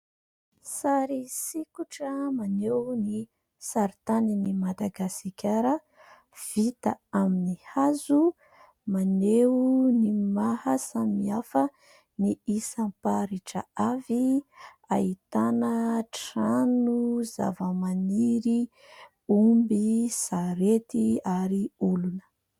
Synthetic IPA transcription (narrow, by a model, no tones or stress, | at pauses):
saɾisikuʈ͡ʂəmanewni | saɾit̪aninimad̪aɡasikʲʰaɾə | v̥it̪a̰aminihazu | manewnimahəsamiafə | niisampaɾiʈ͡ʂə̰avi | ait̪anəʈ͡ʂanuza̰vəmaniɾi | umbisaɾet̪iaɾiulunə̥